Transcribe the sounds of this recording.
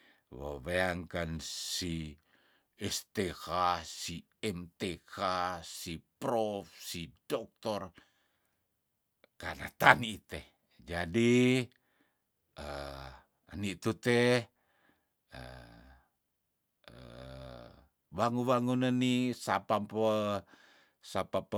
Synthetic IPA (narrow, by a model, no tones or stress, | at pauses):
wo̰βeaŋkansi | ɛst̪ekasi | ɛmt̪ekasipɾɔfsidɔk̚t̪ɔr | kanat̪aniːt̪ɛh | d͡ʒadi | ə | nit̪ut̪ɛ | ə̰ | ə | waŋuwaŋunənisapampə | sapap